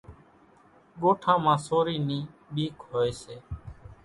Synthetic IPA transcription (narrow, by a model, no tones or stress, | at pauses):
ɡoːʈʰãːmãːsoːɾiːnĩːɓiːkɦoːeːseː